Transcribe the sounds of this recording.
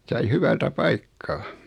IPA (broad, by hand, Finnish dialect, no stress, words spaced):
sɑi hyʋæltæ pɑikːɑː